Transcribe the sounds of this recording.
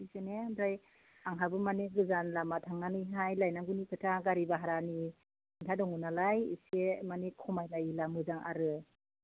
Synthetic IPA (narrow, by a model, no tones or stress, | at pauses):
isenebɾaj | aŋɦabɯmaneɡɯzanlamatʰaŋːanɯjɦajlajnaŋɡunikʰɯtʰaɡaɾibaɦaɾani | intʰadɔŋunalajḭsemanikʰɔmajlajlamɯzaŋʔa̰ɾɯ